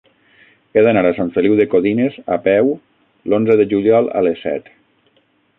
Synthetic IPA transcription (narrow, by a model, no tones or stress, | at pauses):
eðanaɾasaɱfeliwðekoðinezapɛw | lonzəðeʒuʎiɔlˠa̰lesɛ̰t̪